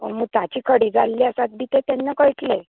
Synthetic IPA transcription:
əməɡ̚t̪at͡ɕiːkʰəɽiːd͡zalːiəsat̪̚bit̪et̪anːakəɭʈʰle

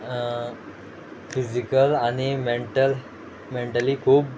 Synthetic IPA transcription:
fid͡ʑikəlaɽ̃imeɳʈəl | meɳʈəliːkʰuːp

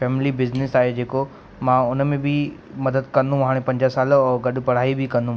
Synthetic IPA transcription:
fɛːmɪlibɪznɪsaːɦed͡ʑeːko | mãʊnmẽbɪ | mɐd̪əd̪̚kɐ̃nd̪ʱũɦaːɽ̃ẽpɐ̃ɲd͡ʑəsaːlɔːɡɐɗʊ̆pɐɽ̤aːibɪkɐ̃nd̪ʱũ

